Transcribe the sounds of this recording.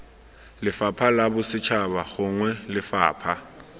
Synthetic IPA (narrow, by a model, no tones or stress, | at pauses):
lɪfapʰalabʊsɪt͡ʃʰabaɣʊŋwɛlɪfa̰ːpʰa